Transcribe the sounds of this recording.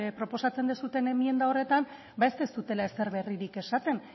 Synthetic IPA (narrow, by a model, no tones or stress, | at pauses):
pɾo̞po̞sat͡se̞nd̪esut̪e̞ne̞mie̞nd̪ao̞re̞t̪am | baest̪est̪ut̪e̞lae̞se̞ɾβe̞riɾike̞sat̪e̞n